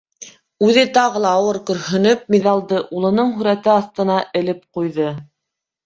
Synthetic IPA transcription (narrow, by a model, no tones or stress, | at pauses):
ʉðɘt̪ɑʁɤ̆lˠɑːwɤɾkɵ̆ɾhɵ̆nɵp̚miðɑlˠd̪ɤʔulˠɤ̆nɤɴɦʉ̆ɾæt̪ɘɑθt̪ɤ̆nɑʔɘ̆lɘp̚qujðɤ